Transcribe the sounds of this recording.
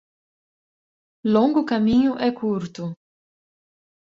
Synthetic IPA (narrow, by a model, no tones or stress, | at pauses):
lõŋɡʊkamĩɲʊʔɛkʰuɾt̪ʊ